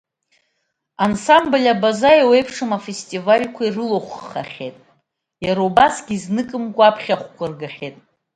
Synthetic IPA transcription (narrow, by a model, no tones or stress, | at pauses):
ansamblʲabazajawejpʰʂɨmafestʼivalʲkʷʰairɨloχʷːa̰χʲḛtʼ | jaɾaubasɡʲiːznɨkʼɨmkʷʼapʰχʲaχʷkʷʰarɡaχʲe̞tʼ